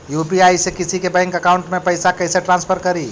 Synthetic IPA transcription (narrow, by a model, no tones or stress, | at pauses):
jupiajsekisʰikebə̃ŋkəkauɳʈmepəjsakəɪseʈɾãnspʰəɾkəɾi